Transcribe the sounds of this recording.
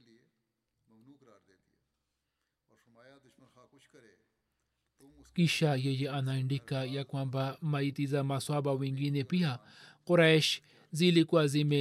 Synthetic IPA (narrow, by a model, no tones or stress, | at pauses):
kiʃajejeanaɳɖikajakwambamajit̪izamaswabawiŋɡinepia | qoɾaeʃ | zilikwazime